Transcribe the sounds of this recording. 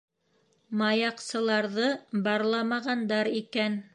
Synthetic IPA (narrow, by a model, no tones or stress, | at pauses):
mɑjɑqsɤ̆lˠɑɾðɤbɑɾlˠɑmɑʁɑnd̪ɑɾikæn